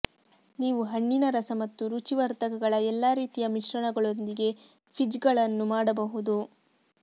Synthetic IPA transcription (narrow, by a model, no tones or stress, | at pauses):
niːʋuɦɐɳːinɐɾɐsɐmɐt̪ːuɾut͡ʃiʋɐɾt̪ɐkɐɡɐɭɐɛlːaːɾiːt̪ijɐmiʃɾɐɳɐɡɐɭo̞nd̪iɡe̞ | pʰid͡ʒɡɐɭɐnːumaːɽɐbɐɦud̪u